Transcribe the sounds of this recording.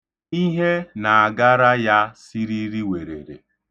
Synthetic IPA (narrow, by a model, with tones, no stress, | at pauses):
i˦ɦe˦na˨a˨ɡa˦ɾa˦ja˦si˦ɾi˦ɾi˦we˨ɾḛ˨ɾḛ˨